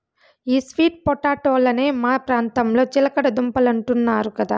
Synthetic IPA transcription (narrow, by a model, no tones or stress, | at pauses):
iːsʋiːʈ̚pɔʈaːʈoːlɐneːmaːpɾaːnt̪ɐmlo̞ːt͡ʃilɐkɐɽɐd̪umpɐlɐɳʈunːaːɾukɐd̪a̰ː